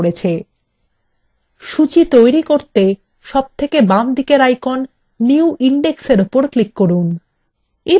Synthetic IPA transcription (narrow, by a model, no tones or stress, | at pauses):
ɾet͡ɕʰe | ʃut͡ɕit̪ojɾikoɾt̪e | ʃɔb̚t̪ʰekebamd̪ʱikeɾajkonː | iuʔiɳɖekseɾopoɾklikːoɾun | e